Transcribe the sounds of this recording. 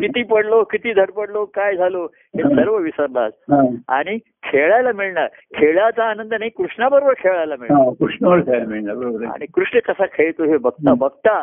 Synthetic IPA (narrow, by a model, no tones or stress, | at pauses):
kit̪iːpəɽlokit̪iːd̪ʱəɽpəɽlokajd͡zʱalo | ɦesəɾʋəʋisəɾla̰d͡zɦãa̰ɽ̃i | kʰeɭajlamiɭɳaɾ | kʰeɭjat͡saːnənd̪ənaɦikɾuʂɳabəɾobəɾkʰeɭajlamiɭãkɾuʂnabəɾkʰelamiɭnabəɾobəɾa̰ɽ̃ikɾuʂɳəkəsakʰeɭt̪oɦebəɡ̚t̪abəɡ̚t̪a